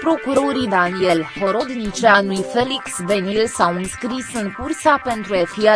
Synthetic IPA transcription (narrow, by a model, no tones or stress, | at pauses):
pɾo̞kuɾo̞ɾid̪anielho̞ɾo̞d̪nit͡ʃeanujfeliksbe̞nilsawɨnskɾisɨŋkursape̞nt̪ɾuafia